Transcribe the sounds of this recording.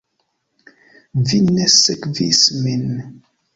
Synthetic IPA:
vinːæsækvismin

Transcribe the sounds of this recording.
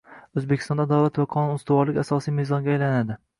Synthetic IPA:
ɵzbekʲʰɪst̪ɒnd̪ad̪awlat̪vaqʰɒnunst̪ɪvɒɾlɪkʲasɒsijmezɒnɡʲaːjlanad̪ɪ

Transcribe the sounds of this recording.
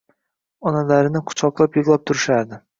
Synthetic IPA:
ɒnalaɾɪnɪqʰʊ̥t͡ʃʰɒqlˠapjɨʁlˠap̚t̪ʰʊɾɪʃaɾd̪ɪ

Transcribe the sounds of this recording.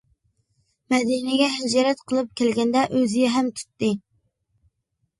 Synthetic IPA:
mɛd̪inɪɡʲɛɦɪd͡ʒɑɾɛt̪qʰəlˠɨp̚kʲʰɛlɡʲɛnd̪ɛʔøzɪjɛɦɛmt̪ʰy̥t̪ːɨ

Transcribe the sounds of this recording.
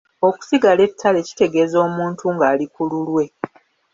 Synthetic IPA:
o̞ku̥siɡale̞tʰːale̞ci̥te̞ɡe̞ːzo̞ːmuːntʰuŋɡaːlikululwe̞

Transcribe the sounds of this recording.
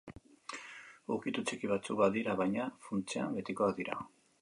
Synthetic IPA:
ukit̪ut͡ʃikiβat͡suk̚baðiɾaβajɲafunt͡seambe̞t̪ikoaðiɾa

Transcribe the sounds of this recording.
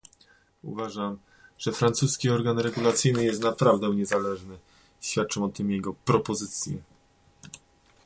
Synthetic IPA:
ṵvaʐam | ʐ̥ɛfɾant̪suskʲiɔɾɡanɾɛɡulat̪sɘjnɘjɛst̪napɾavd̪ɛw̃ɲɛzalɛʐnɘ | ɕfʲat̪̚t͡ʂɔ̃w̃ɔt̪ɘmjɛɡɔpɾɔpɔzɘt̪sʲjɛ̰

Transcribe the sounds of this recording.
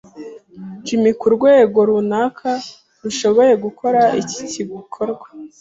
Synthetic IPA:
d͡ʒimikuɾɡwe̞ːɡo̞ɾunakʰa | ɾuʃo̞βo̞je̞ɡukʰo̞ɾaʔici̥ciɡukʰoɾɡwḁ

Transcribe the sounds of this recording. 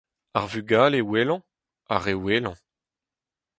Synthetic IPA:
aʁvyɡaːlewelɑ̃ | aʁeweːlɑ̃

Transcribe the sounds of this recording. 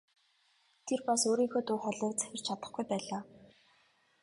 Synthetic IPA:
t̪ʰerpasoːɾiːŋxoːt̪ʊːχɔɮiːk̚t͡sæ̥xʲɪ̆r̥t͡ɕʰat̪ə̆χɡujpæːɮaː

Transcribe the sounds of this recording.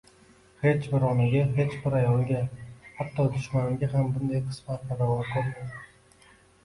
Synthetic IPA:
he̞t͡ʃbɪɾɒnɪɡʲaɦe̞t͡ʃbɪɾajɒnɡʲahat̪ʰːɒd̪ʊʃmanɪɡʲaɦambʊnd̪ajqʰɨ̥smat̪̚baɾavɒnakʰopmad̪ɪ

